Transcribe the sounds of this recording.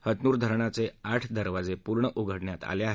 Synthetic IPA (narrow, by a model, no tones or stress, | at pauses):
hət̪nuːɾd̪ʱəɾɳat͡seaʈʰd̪əɾʋad͡zepuɾɳəʔuɡʱəɽɳjat̪a̰leaɦ